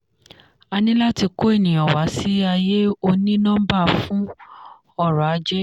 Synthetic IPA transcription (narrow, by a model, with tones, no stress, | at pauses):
a˧nĩ˦la˦ti˧ko˦e˦˨nĩ˨ɔ˨wa˨˦si˦a˧je˦o˧nĩ˦nã˦ba˦˨fũ˨˦ | ɔ˦˨ɾɔ˨a˨˧d͡ʒe˦